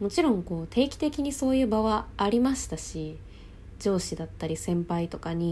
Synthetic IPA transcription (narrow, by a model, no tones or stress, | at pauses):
mo̞t͡ɕiɾõ̞ŋko̞ːt̪ʰe̞ːkʲi̥t̪ekʲiɲ̟iso̞ːjɯ̟ːbaβaːɾʲimaɕi̥t̪aɕi | d͡ʑo̞ːɕid̪at̪ːaɾʲisẽ̞mpait̪o̞kaɲ̟i